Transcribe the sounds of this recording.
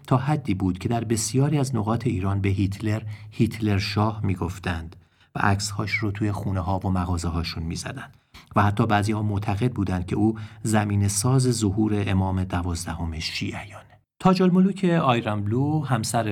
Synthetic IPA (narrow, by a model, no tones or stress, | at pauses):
t̪ʰɒːhæd̪ːiːbuːd̪̥cʰe̞d̪æɾbe̞sijɒːɾiːæzno̞ɣɒːt̪ʰe̞iːɾɒːnbe̞ɦit̪ʰleɾhiːt̪ʰle̞ɾʃɒːhmiːɡo̞ft̪ænd̪̥ | væ̰ʔæ̰cshɒːʃrot̪ʰuːje̞xuːneɦɒːvomæɣɒːzeɦɒːʃunmḭːzæ̰d̪ænd̪̥væhæt̪ʰːɒːbæːziːhɒːmoʔt̪ʰæɣe̞d̪̚buːd̪ænd̪̥cʲʰe̞uːzæmiːne̞sɒːze̞zohuːɾe̞ʔemɒːme̞d̪ævɒːzd̪æho̞me̞ʃiːʔæjɒːne | t̪ʰɒːd͡ʒolmoluːcʰeɒːjɾæmbluhæmsæɾ